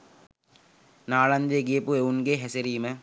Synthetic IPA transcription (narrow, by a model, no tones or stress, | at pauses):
naːɭand̪ejeɡiəpueunɡeːɦæseɾiːmə